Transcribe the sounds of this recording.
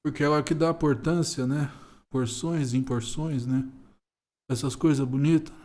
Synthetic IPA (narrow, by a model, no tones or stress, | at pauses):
pʊɾkeɛlɐkɪd̪aĩpoɾt̪ɐ̃siɐnɛ | poɾsõj̃zĩpoɾsõj̃snɛ | ɛsɐskojzɐbunit̪ɐ̥